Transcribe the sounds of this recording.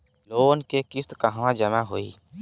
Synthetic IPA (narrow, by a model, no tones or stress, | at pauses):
loːnkekɪst̪kaɦʋãd͡ʒəmaɦoːḭː